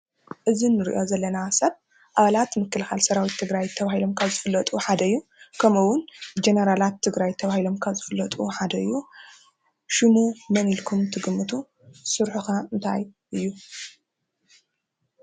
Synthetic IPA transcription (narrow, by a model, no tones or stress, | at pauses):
ʔɨzinːɨɾḭʔo̞zɐlːɐnasɐd̚ | ʔaβalat̪mɨkːɨlxalsɐɾawit̪ʰːɨɡɾajt̪ʰːɐβahilo̞mkʰazɨfɨlːɐt̪ʼuħad̪ɐɨjːukʰɐmɨwʊnd͡ʒenɐɾalat̪ʰːɨɡɾajt̪ʰɐβahilo̞mkʰazɨfɨlːɐt̪ʼuħad̪ɐɨjːu | ʃɨmumɐnilkʰumt̪ʰɨɡɨmːɨt̪ʰu | sɨɾħuxaɨnt̪ʰa̰j | ʔɨjːu